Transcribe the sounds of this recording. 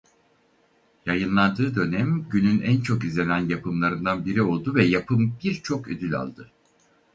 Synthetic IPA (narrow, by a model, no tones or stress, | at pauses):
jajɯnlˠand̪ɯːd̪ø̞nɛmɟynynænt͡ʃʰo̞kizlʲe̞nænjapʰɯmlˠaɾɯnd̪anbiɾio̞lˠd̪uvɛjapʰɯmbiɾt͡ʃʰo̞kø̰d̪ylʲa̰lˠd̪ɯ